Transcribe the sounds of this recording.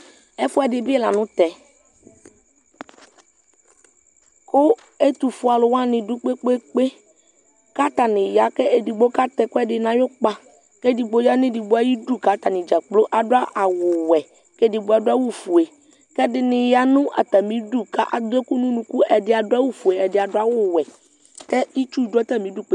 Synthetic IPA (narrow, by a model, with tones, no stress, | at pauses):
ɛ˦fʊ˦a˨dɪ˨bɪ˦ɛ˦la˨nʊ̃˦t̪ɛ˨ | kʊ˦ | e˦t̪u˨fʊ˨a˨lʊ˨wã˦nɪ̃˨du˦k͡pe˦k͡pe˦k͡pe˦ | ka˦t̪a˨nɪ̃˨ja˨kɛ˦e˨di˨ɡ͡bo˦ka˦t̪ɛ˨kʊ˦ɛ˦dɪ˨nã˨jo˦k͡pa˦ | kɛ˦di˨ɡ͡bo˦ja˦nɪ̃˦di˨bo˦a˦ji˦ɖu˦ka˨˦t̪a˨nɪ̃˨d͡ʒa˨k͡plo˦ʔa˨dʊ˦a˦ʔa˨wʊ˨wɛ˨ | kɛ˦dɪ˨bo˨˦a˨dʊ˦a˦wu˦fu˨e˨ | kɛ˦dɪ˨nɪ̃˨ja˨nũ˦ʔa̰˨t̪a˨mĩ˨˦ɖu˦ka˦ʔa̰˨d̪e˦ku˦nũ˦nũ˨ku˦ɛ˨dɪ˨˦a˨dʊ˦a˦wu˦fu˨e˨ɛ˨dɪ˨a˨dʊ˦a˦wʊ˨wɛ˨ | kɛ˦i˦t͡ʃu˦dɔ˦t̪a˦mĩ˦du˦k͡pe˦